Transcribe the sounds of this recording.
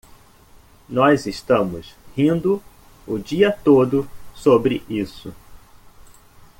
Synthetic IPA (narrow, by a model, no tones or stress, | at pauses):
nɔzeʃt̪ɐ̃mʊshĩnd̪ʊ | ʊd͡ʒiɐt̪od̪ʊsobɾɪʔisʊ